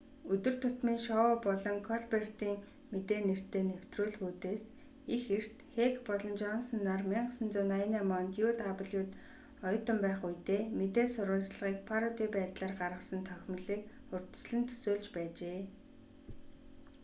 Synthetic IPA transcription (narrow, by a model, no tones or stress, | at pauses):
ɵt̪ɵ̆r̥t̪ʰɵt̪miːŋʃɔpɔɮɞ̆ŋkʰɔɮpert̪iːŋ | met̪eːner̥t̪eːnew̥t̪rʊːɮxuːt̪eːs | ixer̥t̪xekpɔɮɞ̆nt͡ɕɔnsɞ̆nːarmiɴɢəsə̆nt͡suːnajnaːmɔnt̪juːt̪apə̆ɮjuːt̪ | ɔjɞ̆t̪ɞ̆mpæːχujt̪eːmet̪eːsʊɾʊːɮt͡ɕɮə̆ʁiːkpʰaɾɔt̪iːpæːt̪ɮaːrɢarʁə̆sə̆nt̪ʰœxʲmə̆ɮiːk | χɵrt̪ɵ̥̆sɮɘ̆nt̪ʰɵ̥soːɮt͡ɕpæːt͡ɕeː